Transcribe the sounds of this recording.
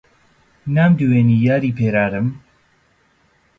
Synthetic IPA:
namd̪uwenijaːɾiːpʰeːɾaɾəm

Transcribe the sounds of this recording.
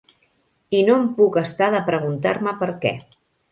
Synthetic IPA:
inompukəst̪aðəpɾəɣ̞unt̪aɾməpəɾkɛ̰

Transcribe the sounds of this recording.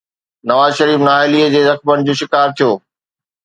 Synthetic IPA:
nɐʋaːzʃɐɾiːfnaːɪliːəd͡ʑeːzɐxbəɽ̃ɪ̆d͡ʑoːʃɪkaːɾt̪ʰijoː

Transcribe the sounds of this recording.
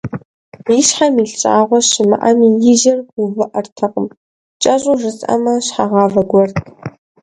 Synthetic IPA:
iʃħamiːɬt͡ʃʼaːʁʷɔʃɪmɨ̰ʔɐmiːjɪʒɐrɡuvɨʔɐrtʰɐqʼəm | t͡ʃʼɐɕʼʊʐɨt͡sʼɐ̰mɐɕħaʁɑːvɐɡʷɔrtʼ

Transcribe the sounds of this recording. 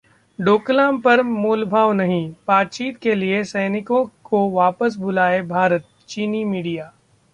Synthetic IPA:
ɖoːklãːmpɐɾmuːlbʱaːʋnɐɦĩb̥aːt̪̚t͡ʃiːt̪keliesɛːnɪkõkoʋaːpəs̬bʊlaːebʱaːɾət̪̚ | t͡ʃiːnimiːɖijaː

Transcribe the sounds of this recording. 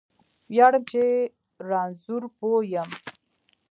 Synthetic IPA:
wjɑɽəmt͡ʃe | ɾɑnzuɾpojəm

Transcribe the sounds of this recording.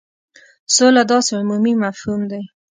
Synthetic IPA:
solad̪ɑseʊmumimafhumd̪e

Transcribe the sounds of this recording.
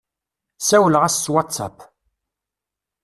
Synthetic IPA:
sæwələʁæsːwatt͡sːɑ̰p

